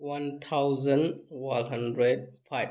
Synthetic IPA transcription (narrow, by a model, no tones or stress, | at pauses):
want̪ʰawzənwanɦandɾɛd̚pʰaj